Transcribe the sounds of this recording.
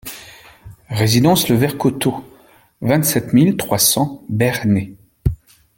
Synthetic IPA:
ʁezid̪ɑ̃sləvɛʁkot̪o | vɛ̃t̪sɛt̪milt̪χwasɑ̃bɛʁne

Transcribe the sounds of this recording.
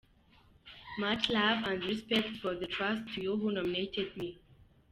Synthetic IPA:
mat͡ʃlavãndɹispɛktfɔðətʰɹastʰːujuɦunɔ̃minetʰɛd̚mi

